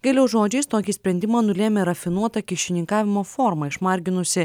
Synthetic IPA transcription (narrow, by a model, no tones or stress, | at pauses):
ɡɐlʲɛʊʒoːd͡ʒʲɛɪst̪oːkʲisʲpʲɾʲɛnʲd̪ʲɪmɑːnʊlʲeːmʲɛɾɐfʲɪnuɔt̪ɐkʲɪʃʲɪnʲɪŋkɑːʋʲɪmoːfoːɾmɐɪʃmɐɾʲɡʲɪnʊsʲɪ